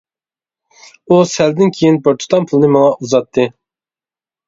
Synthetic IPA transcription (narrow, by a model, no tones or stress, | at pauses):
usɛld̪ɪnkʲʰejinboɾt̪ʰu̥t̪ʰɑnpʰulˠɨnɨmɨlɑʔuzɑt̪ʰːɨ